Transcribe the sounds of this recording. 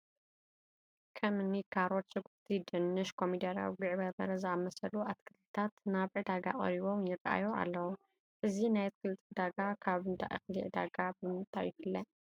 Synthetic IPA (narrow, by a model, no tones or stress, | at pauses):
kʰɐmnikʰaɾot̪sɨɡuft̪ʰid̪ɨnːɨʃkʰo̞mid̪ɐɾa̰wiɡɨʕbɐbɐ̰ɾɐzɨamɐsɐluʔat̪kʰɨlɨt̪ʰat̪naβʕɨd̪aɡa̰χʼɐ̰ɾiβo̞mjɪrɐʔa̰joa̰lːɐwu | ʔɨzinajt̪̚kʰɨlt̪ʼɨd̪aɡakʰaβɨnt̪ʰa̰ʔɨ̰xlḭʕd̪a̰ɡabɨmɨnt̪ʼa̰jːɪfɨlːɐ